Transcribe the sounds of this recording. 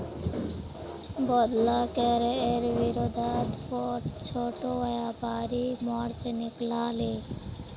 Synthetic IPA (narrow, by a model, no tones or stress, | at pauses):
bɔd̪lakɛɾeɾʋiɾod̪ʱat̪pɔʈt͡ʃʰoʈoʋajapaːɾimɔɽt͡ʃeniklaːle